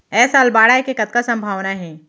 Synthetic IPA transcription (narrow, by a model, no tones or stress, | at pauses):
ɛːsalbaːɽaːjkekɐt̪̚kasɐ̃mbʱaːʋnaɦɛː